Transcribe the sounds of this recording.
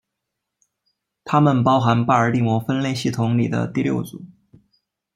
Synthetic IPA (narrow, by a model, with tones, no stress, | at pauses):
t̪ʰa˥mə˨npɑ˥ʊxa˧˥npa˥˩ə˞˨˩li˥˩mwɔ˧˥fə˥nle˥˧ɪɕi˥˩t̪ʰʊ˧˥ŋli˨˩d̪ə̰˦t̪i˥˧ljo̰˥˩ʊt͡sṵ˨˩˦